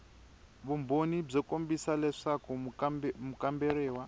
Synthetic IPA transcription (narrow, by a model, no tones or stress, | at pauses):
βumbonib͡ʐɛkʼombisalɛʂakɔmukambɛɾɛːwa